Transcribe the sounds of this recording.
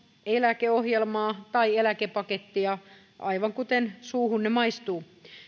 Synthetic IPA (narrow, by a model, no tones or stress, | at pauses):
elækeohjelmɑːt̪ɑielækepɑket̪ːiɑ | ʔɑ̰iʋɑŋkut̪ensuːhunnemɑist̪uː